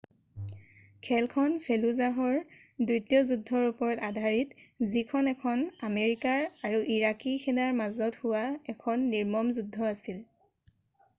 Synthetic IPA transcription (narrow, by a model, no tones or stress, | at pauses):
kʰɛlkʰɔnpʰeluzaɦɔɹ | dujtiɔzudʱːɔɹupɔɹɔtadʱaɹitzikʰɔnɛkʰɔnameɹikaɹaɹuʔiɹakikʰɛnaɹmazɔthʊwaɛkʰɔnːiɹmɔmzudʱːɔasil